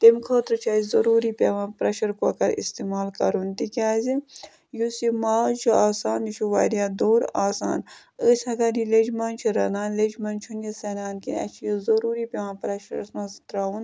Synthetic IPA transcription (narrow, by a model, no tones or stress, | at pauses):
t̪emkʰoːt̪ɾɨt͡ʃʰaːzʲzɐɾuːɾipʲeʋãːpɾɐʃɐɾkoɐkɐɾḭst̪iːmaːlkɐɾunt̪ikʲaːzi | jusimaːt͡ʃʰuaːsaːnit͡ʃʰuʋa̰ːdijaːd̪oːɾaːsa̰ːn | əːsʲɐɡadiled͡ʒmɐnt͡ʃʰuɾɐnaːnled͡ʒmɐnt͡ʃʰunjɐsɐnaːnkḭnɐ̰t͡ʃʰijizɐɾuːɾipʲeʋãːpɾɐʃɐɾsmɐzt̪ɾaːun